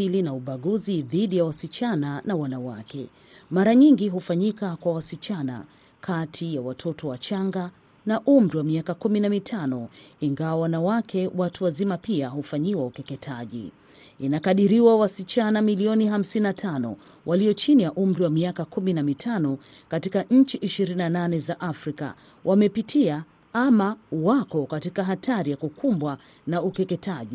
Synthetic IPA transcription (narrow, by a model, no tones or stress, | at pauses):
ilinauɓaɠuziðiɗijawasit͡ʃananawanawakɛ̰ | maɾaɲiŋɡiɦufaɲikakwawasit͡ʃana̰ | kʰatʰijawatʰɔtʰɔwat͡ʃaŋɡa | naʔum̩ɾiwamiakakuminamitʰanɔiŋɡawawanawakʰɛwatuwazimapiaɦufaɲiwaukɛkɛtʰaʄḭ | inakaɗiɾiwawasit͡ʃanamiliɔniham̩sinatʰanɔ̰ | wʔaliɔt͡ʃinijaʔum̩ɾiwamiakakuminamitʰanɔ | katikaɲ̩t͡ʃiʔiʃiɾininananɛzaʔafɾika̰ | wʔamɛpitʰia | amawakɔkatikaɦatʰaɾijakukʰumbwa | naukɛkɛtʰaʄi